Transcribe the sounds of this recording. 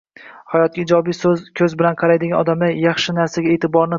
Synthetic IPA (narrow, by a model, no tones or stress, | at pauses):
hajɒt̪̚ɡʲɪd͡ʒɒbijszkʲʰɵzbɪlanqʰɑɾajd̪ɪɡʲanɒd̪amajɑχʃɪnaɾsaɡʲaet̪ʰɪbɒɾnɪ